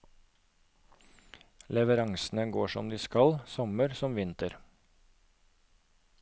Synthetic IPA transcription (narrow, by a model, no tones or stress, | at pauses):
lɛʋəɾɑŋsn̩əɡoːʃɔmd̪iːskɑlsɔməɾsɔmʋɪnt̪əɾ